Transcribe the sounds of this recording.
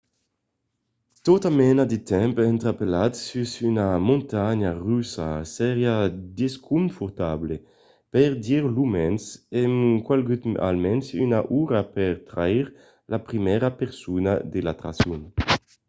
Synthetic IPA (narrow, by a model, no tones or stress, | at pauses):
t̪ot̪amɛnad̪et̪ɛmpɛnt̪ɾapelat̪sysynamũnt̪aɲaʁysasɛʁjad̪eskʰumfuɾt̪able | pɛɾd̪iɾlumɛnsɛmkwalɡyt̪a̰lmɛnsynaʔuɾapɛɾt̪ɾaiɾ | lapɾimɛɾapeɾsuna̰d̪elat̪ɾa̰sjun